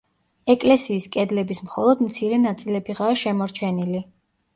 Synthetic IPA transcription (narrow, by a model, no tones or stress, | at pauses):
ɛkʼlɛsiːskʼɛd̪lɛbismχɔlˠɔd̪mt̪sʰiɾɛnat̪sʼilɛbiʁaːʃɛmɔɾt͡ʃʰɛnili